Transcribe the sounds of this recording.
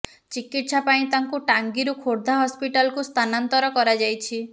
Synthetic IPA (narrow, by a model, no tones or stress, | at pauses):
t͡ʃikiʈsapaĩt̪aŋkuʈaŋɡiɾukʰoɾd̪ʱaɦɔspiʈalɔkust̪ʰanant̪ɔɾɔkɔɾad͡ʒajt͡ʃʰi